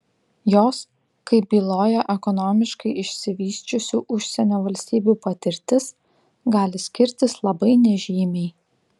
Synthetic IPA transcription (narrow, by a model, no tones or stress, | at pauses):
joːs | kɐɪp̚bʲiːlˠoːjɛʔɛkɔnɔːmʲɪʃkɐɪɪʃʲsʲɪʋʲiːsʲt͡ʃʲʊsʲuːʔʊʃʲsʲɛnʲoːʋɐlʲsʲt̪ʲiːbʲupɐt̪ʲɪɾʲt̪ʲɪs | ɡɑːlʲɪsʲkʲɪɾʲt̪ʲɪslˠɐbɐɪnʲɛʒʲiːmʲɛɪ